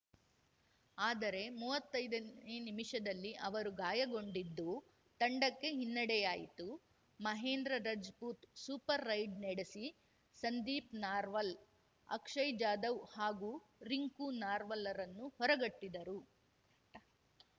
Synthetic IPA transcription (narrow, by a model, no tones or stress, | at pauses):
aːd̪ɐɾe̞muːʋɐt̪ːɐjd̪ɐenimiʂɐd̪ɐlːiʔɐʋɐɾuɡaːjɐɡo̞ɳɖid̪ːu | t̪ɐɳɖɐkːe̞ɦinːɐɽɛjaːjḭt̪u | mɐɦeːnd̪ɾɐɾɐd͡ʒpuːt̪suːpɐɾːɐjɖneɽesi | sɐnd̪iːpnaːɾʋɐl | ɐ̰kʂɐjd͡ʒaːd̪ɐwhaːɡuː | ɾiŋkunaːɾʋɐlːɐɾɐnːuhɔɾɐɡɐʈːid̪ɐɾu